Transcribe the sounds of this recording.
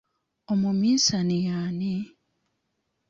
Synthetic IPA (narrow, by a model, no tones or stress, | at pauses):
omumiːsanijaːne